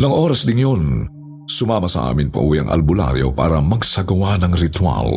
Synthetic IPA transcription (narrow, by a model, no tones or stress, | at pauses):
nɐŋʔoːɾɐsd̪ɪŋjon | sʊmaːmɐsɐ̰ʔa̰ːmɪnpɐ̰ʔuiʔɐ̰ŋʔɐ̰lbʊla̰ɾjo̰pa̰ːɾɐmɐɡsɐɡɐwanɐŋɾɪt̪wa̰l